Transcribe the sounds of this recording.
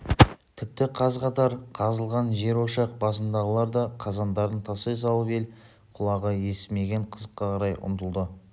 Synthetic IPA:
t̪ʰɪp̚t̪ɪqʰɑzqɑt̪ɑɾqʰɑzəlˠʁɑnʒe̞ɾwoʃɑq̚bɑsənd̪ɑʁəlˠɑɾd̪ɑqʰɑzɑnd̪ɑɾd̪ənt̪ʰɑses̬ɑlˠəpe̞l | qʰʊlˠɑʁəje̞sɪ̥me̞ɡʲe̞ɴqʰəzəqːɑqʰɑɾɑjʔʊ̰nt̪əlˠd̪ə

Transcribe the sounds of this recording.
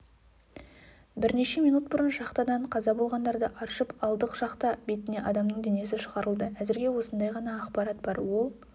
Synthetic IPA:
bɪɾne̞ʃe̞mijnut̪̚bʊɾənʒɑqt̪ɑd̪ɑɴqʰɑzɑbo̞lˠʁɑnd̪ɑɾd̪əʔɑɾʃəpɑlˠd̪əqʒɑqt̪ɑbe̞t̪ɪne̞ʔɑd̪ɑmnəɴd̪e̞ne̞sɪʃəʁɑɾəlˠd̪əæzɪɾɡʲe̞wo̞sənd̪ɑjʁɑnɑːqpɑɾɑt̪bɑɾwo̞lˠ

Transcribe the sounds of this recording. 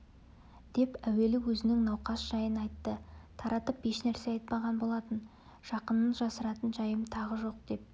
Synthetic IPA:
d̪̥e̞pæwe̞lɪwɵzɪnɪŋnɑwqɑsʒ̥ɑjənɑjt̪ːət̪ʰɑɾɑt̪əpjeʃnæɾse̞ɑjt̪̚pɑʁɑnbo̞lˠɑt̪ən | ʒ̥ɑqənːənʒɑsəɾɑt̪ənʒɑjəmt̪ʰɑʁəʒo̞q̚d̪̥e̞p̚

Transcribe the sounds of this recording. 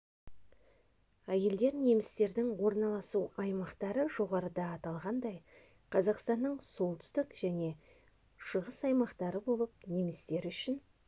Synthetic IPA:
æje̞ld̪e̞ɾne̞mɪst̪e̞ɾd̪ɪŋwo̞ɾnɑlˠɑsuɑjmɑqt̪ɑɾəʒo̞ʁɑɾəd̪ɑːt̪ɑlˠʁɑnd̪ɑj | qʰɑzɑqst̪ɑnːəɴso̞lˠt̪ʰʏ̥st̪ɪkʒ̥æne̞ | ʃəʁəsɑjmɑqt̪ɑɾəbo̞lˠəp̚ne̞mɪst̪e̞ɾʏʃɪn

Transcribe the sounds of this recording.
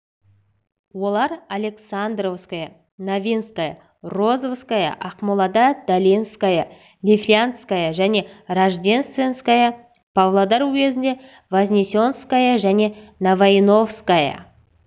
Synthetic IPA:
wo̞lˠɑɾalʲe̞ksand̪ro̞fskajə | navʲinskajə̰ | ro̞zofskajə̰ʔɑqmolˠɑd̪ad̪̥alʲijnskajə | lʲiflʲiant̪skajəʒæne̞raʒd̪ʲe̞nst̪vʲe̞nskajə | pʰavlˠad̪aɾwɵkʲe̞zɪnd̪e̞ | vaznʲesʲo̞nskajəʒæne̞navajno̞fskajə̰

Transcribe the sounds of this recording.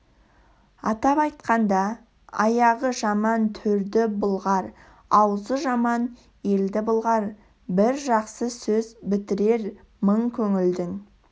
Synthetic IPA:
ɑt̪ɑpɑjt̪qɑnd̪ɑ | ɑ̰jɑʁəʒɑmɑnt̪ʰɵɾd̪ɪbʊlˠʁɑɾ | ɑwzəʒɑmɑn | je̞ld̪ɪbʊlˠʁɑɾ | bɪɾʒɑqsəsɵzbɪt̪ɪɾe̞ɾ | məɴkʲʰɵŋɪld̪ɪŋ

